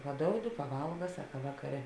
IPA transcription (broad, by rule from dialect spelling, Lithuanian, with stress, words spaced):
pɐˈdoːʊdʲɪ pɐˈʋɐlˠɡɐ ˈsɑːkɐ ˈʋɑːkɐˌrʲɛ